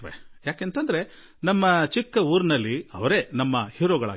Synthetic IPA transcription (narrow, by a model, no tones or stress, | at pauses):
ʋḛjaːkeːnt̪ɐnd̪ɐɾe̞ | nɐmːɐt͡ʃikːɐuːɾnɐlːiɐʋɐɾe̞ːnɐmːɐhiːɾoːɡɐɭa̰ːɡ